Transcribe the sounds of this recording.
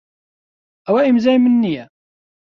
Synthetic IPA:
æwæimzæjmənːijæ

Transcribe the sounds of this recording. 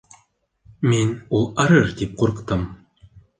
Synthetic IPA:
menulˠɑɾɤɾd̪ip̚qʰoɾɤqt̪ɤm

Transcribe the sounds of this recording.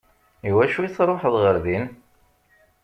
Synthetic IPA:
iwæʃuiθɾˤoħðˤʁəɾðin

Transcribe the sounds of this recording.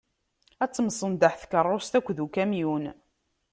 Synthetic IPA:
æt͡sːəmsˤənd̪aħθkərˤːost̪ækʷːðukæmjun

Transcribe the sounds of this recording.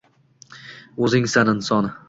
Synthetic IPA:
ɵzɪŋsanɪnsɒnɪ

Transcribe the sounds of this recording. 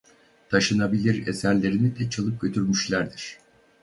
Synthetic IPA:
t̪ʰaʃɯnabilʲiɾesæɾlʲe̞ɾinid̪ɛt͡ʃʰalˠɯp̚ɟø̞t̪ʰyɾmyʃlʲæɾd̪iɾ̥

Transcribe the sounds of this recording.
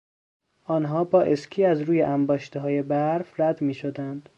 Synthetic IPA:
ʔɒːnɦɒːbɒːʔescʰiːæzɾuːjeʔæmbɒːʃt̪eɦɒːje̞bæɾfɾæd̪miːʃod̪ænd̪̥

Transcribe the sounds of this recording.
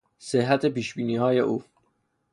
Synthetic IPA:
sehɦæt̪ʰepiːʃbiːniːhɒːje̞ʔuː

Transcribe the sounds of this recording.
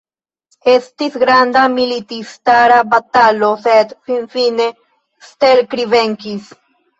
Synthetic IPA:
est̪isɡɾand̪amilit̪ist̪aɾabat̪aloset̪finfine | st̪eɾkɾiβeŋkis

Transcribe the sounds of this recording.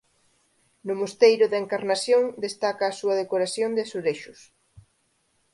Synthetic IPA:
nʊmost̪ejɾʊðeŋkaɾnaθjoŋd̪est̪akaːsuɐðekoɾaθjond̪ɪsoɾeʃʊs

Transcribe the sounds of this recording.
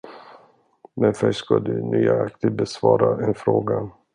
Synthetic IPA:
mɛnfœʂkad̪ɵnyːaakt̪ɪd̪̚bɛsvɑːɾaʔɛnfɾoːɡa

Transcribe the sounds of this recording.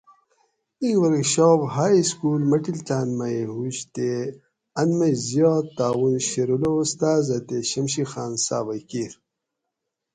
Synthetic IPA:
iŋɡwɐɾkɕobɦaːjskuːlmɐʈilt̪aːnmɐjeɦuɕt̪e | ɐnmɐzjoːt̪aːwunɕeɾuloust̪aːzɐt̪eɕɐmɕixaːnsa̰ːbɐjkiːɾ

